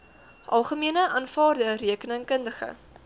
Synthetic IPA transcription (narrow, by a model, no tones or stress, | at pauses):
ʔɐlˠχəmiənəʔɑːnfɑːrdəriəkənəŋkəndəχə̰